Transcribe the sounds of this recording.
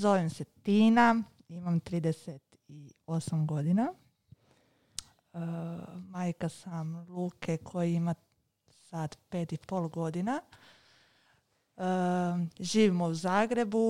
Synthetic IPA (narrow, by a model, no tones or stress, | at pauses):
zo̞ʋimse̞t̪iːna | imamt̪ɾiːd̪eset̪ | io̞samɡo̞d̪ina | majkasamluːkʰe̞kʰo̞jiima | sad̪pe̞ːt̪ipo̞ːlˠɡo̞d̪ina | ʒiːʋimouzaːɡɾe̞bu